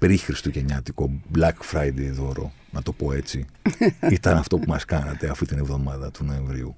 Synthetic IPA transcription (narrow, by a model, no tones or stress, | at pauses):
pɾixɾist̪uʝeɲɐt̪iko̞blɐkfɾɐjd̪ejðo̞ɾo̞̰ | nɐt̪o̞po̞e̞t͡siit̪ɐnɐft̪o̞pumɐskɐnɐt̪e̞ɐft̪it̪ine̞vðo̞mɐðɐt̪uno̞e̞ɱvɾiu